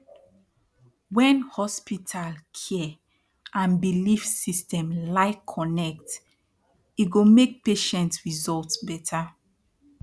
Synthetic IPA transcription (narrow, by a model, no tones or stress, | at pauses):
wɛ̃nhɔspitʰalkʰɛɛ | ʔãnbilifsistɛ̃mlaɪkʰɔnɛk̚t | iɡomek̚peʃɛ̃ntsɹizɔltsbɛtʰa